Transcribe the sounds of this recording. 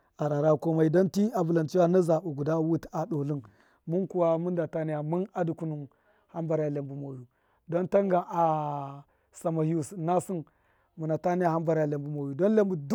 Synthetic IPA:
a˨ɾa˨ɾa˦ko˦ma˨i˨do˦nti˦a˨bu˨la˨nt͡ʃi˦wa˦na˦za˨bu˨ɡu˨da˦wu˦ta˨ɗo˨lu˦n | mu˦nku˨wa˦mu˦nda˨ta˦ni˦ja˨mu˦na˦du˨ku˨nu˨m | ha˦mba˨ɾa˨ja˨le˨mbu˨mo˨ju˨ | do˦nta˦ŋɡa˨ʔa˨ | sa˨ma˨hu˦sna˦si˦n | mu˨na˨ta˦ni˦ja˨ha˦mba˨ɾa˨ja˨le˨mbu˨mo˨ju˨do˦nle˦mbu˨d

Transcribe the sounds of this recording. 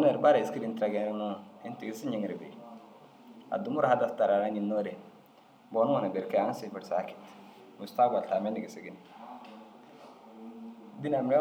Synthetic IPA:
ne˨ɾba˦ɾa˨i˨ski˦di˨ntɾa˨ɡɛ˨nɾnu˦i˦n˦ti˨ɡi˦si˦ɲi˨˦ŋ˨ɾi˨bḛ˨ | a̰˨du˨˦mu˦ɾa˨ha˦da˨sta˨ɾa˨ɾa˦ɲi˨nːo˦dɛ˨ | bɔ˨nu˦ŋɔ˨na˨bɛ˨ɾka˦a˨˦n˦si˨fi˨ɾsa̰˦ki̥˨t | mu˨sta˦ɡba˨lta˨mɛ˦ndi˨ɡi˨si˨ɡi˦n˨ | di˦na˨m˨ɾɛ˦

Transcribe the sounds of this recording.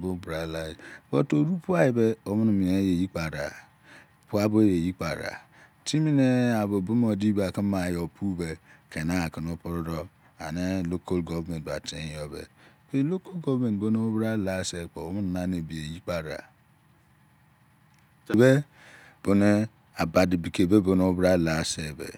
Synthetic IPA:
bo˦bɾa˨la˨bo˦to˨˦ɾu˦pu˦a˦ji˨be˦o˦mu˦n˨mi˨ne˦je˨ji˦k͡pa˨ɾa̰˨ | pu˦a˦bo˦e˦je˨ji˦k͡pa̰˨ɾa̰˨ | ti˦mi˦ne˦a˨bo˨bu˦m˦o˨di˦ba˨ki˦ma˨jo˨pʰu˦be˨kʰe˨na˦˨ki˨no˦po˦ɾo˦ɾɔ˦ | a̰˨ne˦lo˦ko˦lɡo˦vme˨t̚ba̰˨tḛ˨˦jo˦bḛ˨be˦lo˦ko˦lɡo˦vme˨n˨bo˦no˦o˦bɾa˦la˨˦se˦k͡po˨o˦mu˦n˨na˦ne˨bi˨e˨ji˦k͡pa˨ɾa̰˨ | be˦ | b̥o˨ne˦ | a˨ba˨di˨bi˨ke˨be˦bo˨no˦o˦bɾa˦˨la˨se˦˨bḛ˨

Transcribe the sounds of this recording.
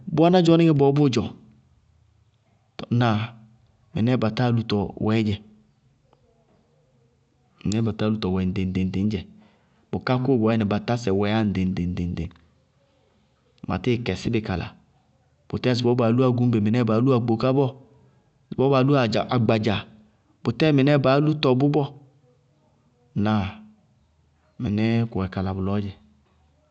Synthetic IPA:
bu˦a˦na˦d͡ʒɔ˨˦ni˦ɡɛ˦bɔ˨˦bʊ˦d͡ʒɔ˨ | tna˨ | mi˨nɛ˦˨ba˨ta˦˨lu˨tɔ˨wɛ˨˦d͡ʒɛ˨ | mi˨nɛ˦ba˨ta˦lu˨tɔ˨wɛ˨n˨de˨n˨de˨n˨de˨˦n˦d͡ʒɛ˨ | bu˨ka˦ko˦˨bɔ˨˦ɛ˦nɛ˨ba˨ta˦sɛ˨wɛ˨˦a˦n̩˨de˨n˨de˨n˨de˨n˨de˨ | ma̰˨ti˦˨kɛ˨si˦bɪ˨ka˨la̰˨ | b̥u˨tɛ˦˨zi˨bɔ˦ba˨˦lu˦a˦˨ɡu˨˦m˦be˨mi˨nɛ˦ba˨˦lu˦a˨ɡ͡bo˨ka˦bɔ˦˨ | zbɔ˦ba˨˦lu˦a˨d͡ʒa˨ʔa˨ɡ͡ba˨d͡ʒa˨ | bu˨tɛ˦˨mi˨nɛ˦ba˨˦lu˦tɔ˨bu˦bɔ˦ | na˨ | mi˨nɛ˦ku˨ɛ˨ka˨la˨bu˨lɔ˦d͡ʒɛ˨

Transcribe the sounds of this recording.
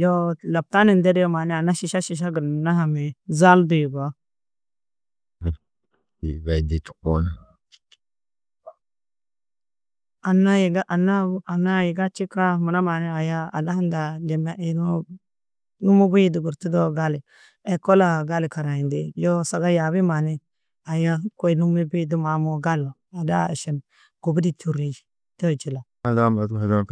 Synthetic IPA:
jo˦la˨b̚ta˦ni˨nde˦djo˦ma˨ni˦a˨nːa˦ʃi˨ʃa˦ʃi˨ʃ̬a˦ɡə˨ɾna˦ɦa˨mi˨za˦ldi˨ba˨ | dḭ˨ba˨i˨di˨tu̥˨ko˦n˨ | a˨nːa˦jɡa˦ʔa˨nːa˦a˨nːa˦ji˨ɡa˦t͡ʃi˦ka˦mu˨na˦ma˨ni˦a˨ja˦a̰˨da˦ha˦nda˨de˨ma˦ʔi˨no˦ | nu˦mu˦bu˦i˦du˨ɡu˨ɾti˦do˦ɡa˦li˨ | ɛ˨ko˦la˨ɡa˦li˨ka˨ɾa˨i˨ndi˨jo˦sa˨ɡa˦ja˨bi˦ma˨ni˦ | a˨ja˦ko˦i˨nu˦mi˦bi˦du˦ma˨mo˦ɡa˦lo˨ | a˨da̰˦˨ʃi˨n | ɡ̥u˨bi˦di˦tʰu˦ɾi˦d͡ʒ | to˦˨t͡ʃi˨la˨ | a˨da˦m˨a˨tha˨da˦k

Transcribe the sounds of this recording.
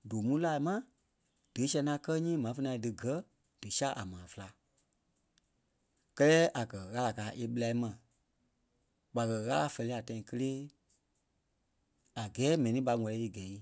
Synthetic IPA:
doː˨mũ˦laː˨i˨mã˦ | d̥ɨ˨˦sɛ̃˧nã˨˦kɜ˦ɲĩː˦mã˨˦fə˧nã˧i˦dɨ˨ɡɜ˦ | d̥ɨ˨sa˦ʔa̰˨mãː˨fɨ˧la˧ | kɜ˦lɛː˦ʔa˨kɜ˨ɣa˦la˨kaː˨˦ʔe˧ɓɨ˦la˧i˦mã˨ | ɓa˨kɜ˨ɣa˦la˧fɛ˧li˧˦a˨tã˧ĩ˨˦kə˧leː˦ | a˨ɡɛː˨˦mɛ̃˨nĩ˦ɓa˧˦ŋɔ̃˨˧lɛ˨˦i˨ɡɛ˨i˦

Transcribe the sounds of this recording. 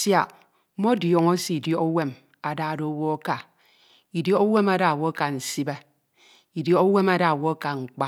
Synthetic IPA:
sja˨˦ | mo˦djɔ˨ŋo˦si˦˨i˨djo˦o˦we˦m | a˨da˦˨do˨o˦wo˦a˦ka˨ | i˨djɔ˦o˦we˦ma˦da˨wo˦ka˨n̩˨si˦be˦ | i˨dɔ˦o˦we˦ma˦da˨wo˦ka˨ŋ͡m̩˨k͡pa˦

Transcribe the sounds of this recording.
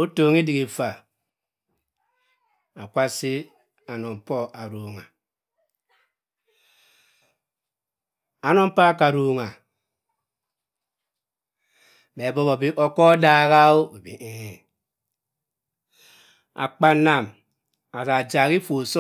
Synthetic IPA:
o˦toː˨ŋi˦di˨ɡi˨fa˨ | a˨kʷa˦si˦ | a˨nɔ˨m˨pɔ˦ʔa˨ɾo˨ŋa˨ | a˨nɔ˦m̩˦pa˦ka˨ɾo˨ŋa˨ | be˨bɔ˦bo˨bi˦ʔɔ˦kɔ˦da˦ɣa˦o˦˨bḭ˨ʔe˦˨ | a̰˨k͡pa˦nːa˨m | a˨ta˨d͡ʒa˨ɣi˦fo˨so˦

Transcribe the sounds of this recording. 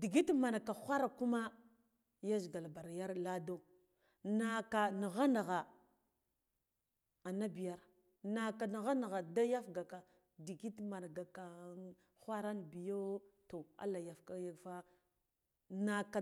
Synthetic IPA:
di˨ɡi˦tma˨na˨ka˨xʷa˦ɾa˨ku˦ma˦ | ja˦zɡa˨lba˨ɾja˦ɾla˦do˦ | na˨ka˨ni˨ɣa˦na˨ɣa˨ | a˨na˦bi˨ja˦ɾ | na˨ka˨ni˨ɣa˦na˨ɣa˨da˦ja˦fɡa˨ka˨ | di˨ɡi˦tma˨n˨ɡa˨ka˨ | xʷa˦ɾa˦nbi˨jo˦to˨a̰˦la˨ja˨fka˦ja˦fa˦ | na˨ka˨

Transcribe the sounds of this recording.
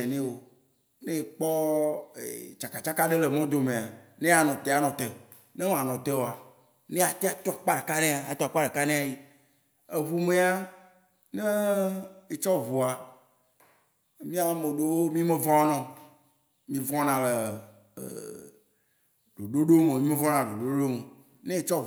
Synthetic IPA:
e˨nẽ˦wo˦ | nẽ˦˨k͡pɔ˦ḛ˨t͡ʃa˨ka˨t͡ʃa˦ka˦ɖe˦le˨mɔ̃˦d̪o˨mẽ˨a˨nẽ˦a˨nɔ̃˨t̪e˦a˨nɔ̃˨t̪e˨ | ne˦m˦˨a˨nɔ̃˨t̪e˦wo˨a˨ | nẽ˦a˨t̪e˦a˨t̪ɔ˦˨k͡pa˦ɖe˨ka˦nẽ˦a˨a˨t̪ɔ˦˨k͡pa˦ɖe˨ka˦nẽ˦a˨ji˦ | e˨ɦu˨me˦a˦ | ne˦ | e˨t͡ʃɔ˦vo˨a˨ | mĩ˦a˦a˦me˨ɖo˦wo˦mĩ˦me˦vɔ̃˦nɔ̃˨ | mĩ˦vɔ̃˦nã˨lḛ˨ | ɖo˨ɖo˦ɖo˦me˨mĩ˦me˦vɔ̃˦nã˨ɖo˨ɖo˦ɖo˦me˨ | nẽ˦e˦t͡ʃɔ˦

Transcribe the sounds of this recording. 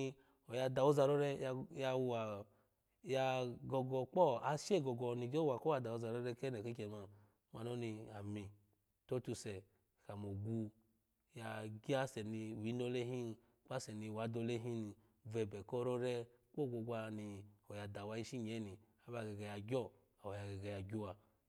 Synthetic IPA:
ɔ˨ja˧da˧˨wo˦za˧ɾɔ˦ɾɛ˦˧ja˧wa˨ | ja˧ɡɔ˧ɡɔ˧k͡pɔ˦a˧ʃe˦˨ɡɔ˧ɡɔ˧ni˧ɡo˦a˨kɔ˦a˧da˨o˧za˧ɾɔ˦ɾɛ˦˧kɛ˦nɛ˨ke˦kɛ˧˨ma˧ | ma˧no˦ni˧a˨mi˨ | to˦tu˧sɛ˨ | ka˨mo˨ɡu˧ | ja˧ɡi˦a˦sɛ˨ni˧wi˨˦no˧˦le˦ɦi˦n˧ | k͡pa˦sɛ˨ni˧wa˨˦do˧˦le˦ɦi˦ni˧ | vɛ˧˨bɛ˨kɔ˦ɾɔ˦ɾɛ˦k͡po˦˨ɡo˧ɡʷa˧ni˧ɔ˨ja˨da˨wa˧i˦ʃi˦ɲ˨ɛ˨˦ni˨ | a˦ba˧˨ɡɛ˨ɡɛ˧ja˧ɡʲɔ˦˨ | a˨ɔ˨ja˨ɡɛ˨ɡɛ˧˨ja˧˨ɡʲu˧wa˧

